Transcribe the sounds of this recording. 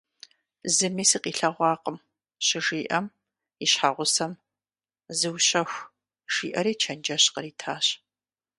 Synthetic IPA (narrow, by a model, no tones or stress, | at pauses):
zɨmiːsɨqiːɬɐʁʷɑːqəm | ɕɪʒiːʔɐm | iɕħaʁʷʊsɐm | zɨwɕɐxʷ | ʒ̥iːʔɐɾiːt͡ʃʰɐnd͡ʒɐɕqəɾiːtʰaːɕ